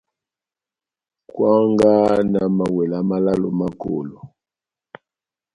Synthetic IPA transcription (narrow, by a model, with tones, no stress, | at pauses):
kwa˦ŋɡa˦na˨ma˨wɛ˨la˨˦ma˦la˦lo˨ma˦ko̰˨lo˨